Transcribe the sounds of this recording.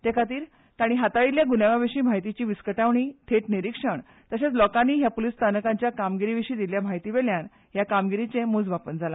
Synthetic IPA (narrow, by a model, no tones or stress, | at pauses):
t̪ekʰat̪iːɾ | t̪aɽ̃iɦat̪aʋiljaɡunaʋaʋeɕiːm̤aɦjt̪it͡ɕiːʋiskəʈaʋɳ̃iːt̪ʰeʈniɾikʂəɳ | t̪əset͡slɔkanːiːɦjapolist̪ʰanəkãɲt͡ɕjakamɡiɾiʋiɕiːd̪iljam̤aɦjt̪iʋeljan | ɦjakamɡiɾit͡sẽmud͡zʋapənd͡zʱala